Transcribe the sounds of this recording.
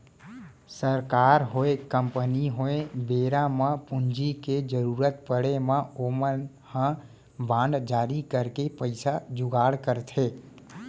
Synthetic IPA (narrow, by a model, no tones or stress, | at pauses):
səɾkaɾɦoekəmpəniɦoebeɾaməpund͡ʒiked͡ʒəɾuɾət̪̚pəɽemə̃omən | hə̃ | bãɳɖd͡ʒaɾikəɾkepəɪsad͡ʒuɡaɽkəɾt̪ʰe